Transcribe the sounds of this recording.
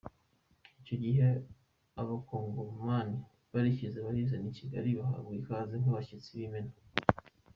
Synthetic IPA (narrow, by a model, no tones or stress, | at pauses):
ico̞ɟiɦe | aβakoːŋɡomani | βaɾiçizeβaɾizeniciɡa̰ɾiβaha̰βɡikaːzeŋhuβaçit͡siβimena